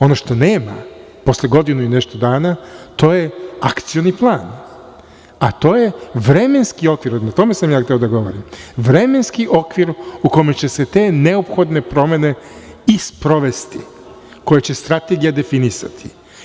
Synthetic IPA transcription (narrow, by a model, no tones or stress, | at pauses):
o̞no̞ʃt̪o̞neːma̰ | po̞slʲeɡo̞d̪inuine̞ʃt̪o̞d̪aːnat̪o̞ːjeakt̪sijo̞niplˠaːn | at̪o̞ːje̞ʋɾe̞me̞nskio̞kʋiɾnat̪o̞me̞samjaːxt̪eo̞d̪aɡo̞ʋo̰ɾimʋɾe̞me̞nskiʔo̞kʋiɾukome̞t͡ɕe̞se̞t̪e̞ːne̞opxo̞d̪ne̞pɾo̞me̞ne̞ | ispɾo̞ʋe̞st̪ḭ | ko̞jet͡ɕe̞st̪ɾat̪e̞ɡijad̪e̞finisa̰t̪ʰi̥̰